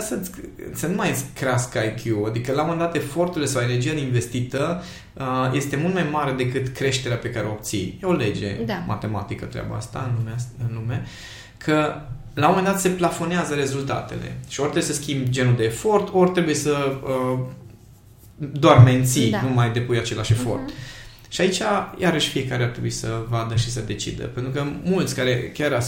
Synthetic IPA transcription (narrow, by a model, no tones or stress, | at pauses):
sə̰sənumajeskɾeaskajkʰjuad̪ikəlao̞mend̪at̪e̞fo̞rt̪uilesawene̞rd͡ʒijad̪einve̞st̪it̪ə | je̞st̪e̞mult̪majmaɾe̞d̪e̞kɨt̪kɾe̞ʃt̪e̞ɾeape̞kaɾeoːp̚t̪sḭjeo̞le̞d͡ʒe̞̰mʔa̰t̪e̞ma̰t̪ikət̪ɾea̰ba̰a̰st̪a̰ɨnumɨnlume̞ | kʰə | lamomend̪at̪se̞plafo̞neazəɾe̞zult̪a̰t̪e̞̰le̞̰ʃiort̪ɾebjesəskʲimbd͡ʒe̞nuld̪e̞ːfo̞rt̪o̞rʲt̪ɾebuje̞səə | d̪oarme̞nt̪sinumajd̪e̞pujat͡ʃe̞laʃe̞fo̞̰rt̪ | ʃiait͡ʃajaɾəʃfije̞kaɾeart̪ɾebuisəvad̪əʃisəd̪e̞t͡ʃḭd̪ə̰pe̞nt̪ɾukəmult̪sʲkaɾe̞kʲaɾa